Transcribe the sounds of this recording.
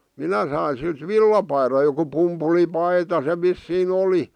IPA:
minæ sɑin̞ silt ʋilːɑpɑirɑ̆ joku pumpulipɑitɑ se ʋisːiːn oli

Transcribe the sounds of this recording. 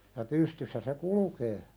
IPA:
jɑ pystysːæ se kulukeː

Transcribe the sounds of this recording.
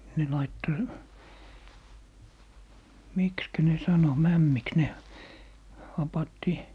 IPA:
ne lɑitːo mikskæ ne sɑno mæmːiks ne hɑpɑtːi

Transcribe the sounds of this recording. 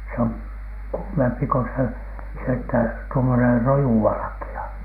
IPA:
se oŋ kuːmempi ko se se etːæ tuomoner rojuʋɑlɑ̆kiɑ

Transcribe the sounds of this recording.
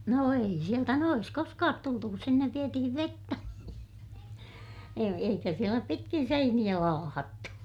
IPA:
no ei sieltæ noj̆es koskɑːt tultu kus sinːeʋ ʋietihiʋ ʋetːæ e eikæ sielæ pitkin seinij̆æ lɑːhɑtːu

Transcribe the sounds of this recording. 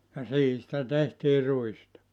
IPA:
jɑ siːhi sĭtæ tehtiː ruistɑ

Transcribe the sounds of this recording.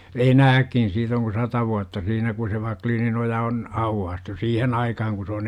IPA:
enæːkːin siːt oŋ ku sɑtɑ ʋuɑtːɑ siːnæ ku se ʋɑkliːninojɑ on ɑuwːɑːstu siːhen ɑikɑhɑŋ ku s oːn

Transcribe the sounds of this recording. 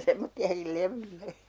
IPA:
semːotːiɑkil leʋylːe

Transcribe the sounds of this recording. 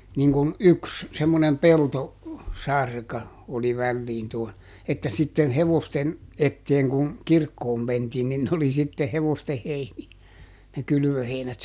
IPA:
niŋkun yks semːonem pelto sɑrkɑ oli ʋælːiːn tuon etːæ sitːen heʋosten etːeːŋ kuŋ kirkːoːm mentiːn nin oli sitːe heʋoste heiniæ ne kyly̆ʋøheinæt

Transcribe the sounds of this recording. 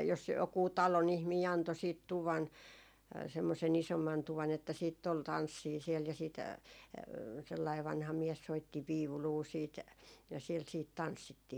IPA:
jos jokuː tɑlon ihmiː ɑnto siːt tuʋɑn semːosen isomːɑn tuʋɑn etːæ siːtː ol tɑnsːiː siɛl jɑ sit selːɑi ʋɑnhɑ miɛs soitːi ʋiuluː siːt jɑ siɛl siːt tɑnsːitːiː

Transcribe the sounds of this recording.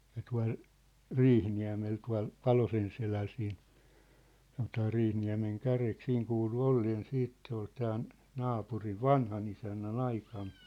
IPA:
jɑ tuɑ̝l riːhniæ̝mel tuɑ̝l pɑlosenselæl siːn sɑnotɑː riːhniæ̝meŋkærek siːŋ kuːlu olːeːn siːt se ol tæːn nɑːpuriʋ ʋɑnhɑnisænːæn ɑikɑn

